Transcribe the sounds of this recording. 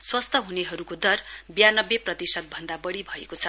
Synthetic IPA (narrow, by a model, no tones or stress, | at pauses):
swʌst̪ʰʌɦuneɦʌɾukod̪ʌrbjanʌbjeprʌt̪isʌd̪̚bʱʌnd̪abʌɽibʱʌekot͡sʰʌ